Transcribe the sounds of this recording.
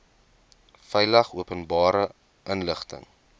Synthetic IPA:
fɛjlɐχuəpənbɑːɾə | ʔənləχtə̰ŋ

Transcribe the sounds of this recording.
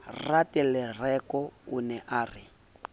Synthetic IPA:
ratɛlɛrɛkɔṵnɛʔaːri

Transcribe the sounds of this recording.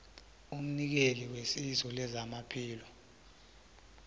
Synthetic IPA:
um̩nik̬eliwesisɔlɛzamapʰiːlɔ

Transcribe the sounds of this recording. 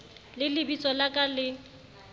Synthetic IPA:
lɪlɪbit͡sʼɔlakʼalɪ

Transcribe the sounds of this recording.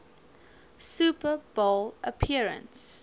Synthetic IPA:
supəbolʔəpʰiəɹə̰̃ns

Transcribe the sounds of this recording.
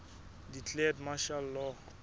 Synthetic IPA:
dit͡ɬʼeɛdmaʃalːɔ

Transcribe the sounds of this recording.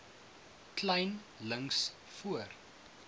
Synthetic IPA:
klɛjn | ləŋs | fuər

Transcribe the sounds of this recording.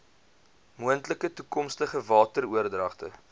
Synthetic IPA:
muəntləkətukɔmstəχəvɑːtəruərdrɐχtə̰

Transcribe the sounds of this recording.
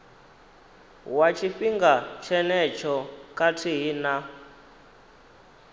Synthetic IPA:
wat͡ʃʰifiŋɡat͡ʃʰɛnɛt͡ʃʰɔkʼatʰiɦina

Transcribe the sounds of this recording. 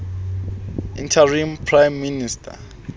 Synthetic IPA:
ḭntʰarimpʰrajmːinistʰa̰

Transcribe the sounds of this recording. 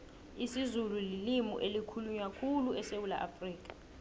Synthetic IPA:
isizululilimṵʔelikʰuluɲakʰuluɛsewula̰ʔa̰friːk̬ʼḁ

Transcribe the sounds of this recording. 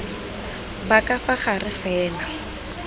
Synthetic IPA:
bakafaχarɪfɛːla

